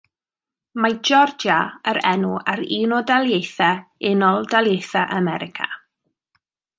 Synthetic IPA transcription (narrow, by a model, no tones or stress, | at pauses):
majd͡ʒɔrd͡ʒaəɾɛnuaɾiːnɔdalˠjejθɛɪnɔlˠdalˠjejθaʔamɛɾɪkʰa̰